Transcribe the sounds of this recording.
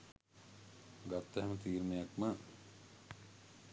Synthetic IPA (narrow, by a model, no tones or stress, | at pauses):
ɡat̪ːəɦɛmət̪iːɾunejakmə